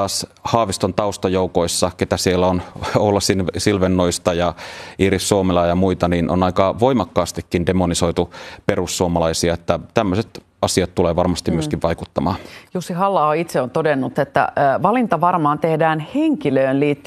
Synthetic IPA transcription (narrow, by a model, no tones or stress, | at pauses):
ɑːshɑːʋist̪ont̪ɑust̪ɑjoukoisːɑket̪æsielːæonolːɑssilʋenːoist̪ɑjɑʔiːɾisːuomelɑːjɑmuit̪ɑninʔo̰nɑikɑʋoimɑkːɑːst̪ikːindemonisoit̪uperusːuomɑlɑisiɑet̪ːæt̪æmːøset̪ | ɑsiɑt̪tuleːʋɑrmɑst̪imyøskiʋʋɑikut̪ːɑmɑ̰ːnjusːihɑlːɑːoit̪seont̪odenːut̪et̪ːæ̰ʋɑlint̪ɑʋɑrmɑːnt̪ehdæːnheŋkiløːnliːt̪ː